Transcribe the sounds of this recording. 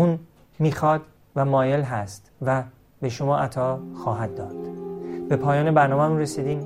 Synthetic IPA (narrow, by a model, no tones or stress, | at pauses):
uːn | miːxɒːd̪ | væmɒːjelɦæst̪væ | be̞ʃomɒːʔæt̪ʰɒːxɒːɦæd̪̚ːɒːd̪̥b̥e̞pʰɒːjɒːnebæɾnɒːmemuːnresiːd̪iːm